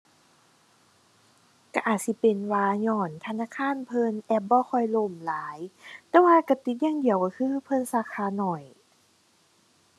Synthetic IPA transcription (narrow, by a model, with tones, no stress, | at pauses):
ka˧˩ʔaː˨˩t̪̚si˧˦pe˨nwaː˧ɲɔː˧˩nt̪ʰa˧naː˧˥˨kʰaː˧˥˨npʰɤː˧˨nʔɛː˧˩p̚bɔː˧˨kʰɔ˧˩jlo˧˩mlaː˨˦jt̪ɛː˧waː˧ka˧˩t̪i˨˦t̪̚jaː˧˥˨ŋdi˨˩əwkaː˧˩kʰɯː˧˨pʰɤ˧˥˨nsaː˧˩kʰaː˧˨nɔ˨˩j